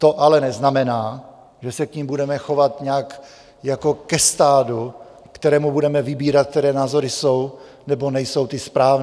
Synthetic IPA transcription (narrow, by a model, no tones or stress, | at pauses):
t̪o̞ʔalɛnɛznamɛnaː | ʒɛsɛkɲimbudɛmɛxo̞vat̪ɲaːk | jako̞kɛst̪aːdu | kt̪ɛɾɛːmubudɛmɛvɪbiːɾat̪̚k̚t̪ɛɾɛːnaːzo̞ɾɪsow | nɛbo̞nɛjso̞wt̪ɪspɾaːvn